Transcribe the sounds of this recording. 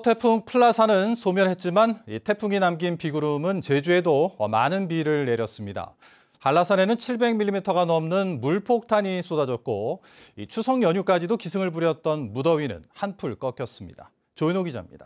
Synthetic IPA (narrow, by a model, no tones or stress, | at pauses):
tʰe̞pʰuŋpʰɯɭːasʰanɯnsʰomjʌnhe̞t̚t͡ɕ͈imanitʰe̞pʰuŋinamɡinpiɡuɾumɯnt͡ɕe̞d͡ʑue̞doʌma̰nɯnpiɾɯɭne̞ɾjʌs͈ɯmɲida̰ | paɭːasʰʌne̞nɯnt͡ɕʰiɭbe̞ŋmiɭːimitʰʌɣanʌmnɯnmuɭpʰok̚tʰaɲis͈odad͡ʑʌt̚k͈o | ḭt͡ɕʰusʰʌŋjʌɲuk͈ad͡ʑidokisʰɯŋɯɭbuɾjʌt̚t͈ʌnmudʌɥinɯ̰nhanpʰuɭk͈ʌk͈jʌs͈ɯmɲḭd̥a̰ | t͡ɕoinoɡid͡ʑa̰mɲḭda